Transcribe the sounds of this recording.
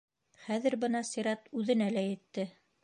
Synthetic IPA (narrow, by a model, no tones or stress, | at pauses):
χæðɘɾbɤ̆nɑsʲiɾɑt̪ʉðɘ̆nælæjɘ̆t̪ːɘ